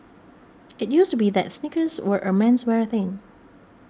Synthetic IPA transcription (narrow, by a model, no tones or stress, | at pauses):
ɪt̚justubiðɛtsnɪkəzwəʔəmɛ̃nswɛɹθɪ̃ŋ